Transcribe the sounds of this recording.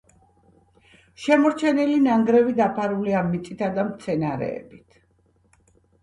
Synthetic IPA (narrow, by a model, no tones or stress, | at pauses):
ʃɛmɔɾt͡ʃʰɛnilinaŋɡɾɛvid̪apʰaɾuliamːit̪sʼit̪ʰad̪amt̪sʰɛnaɾɛ̰ːbit̪ʰ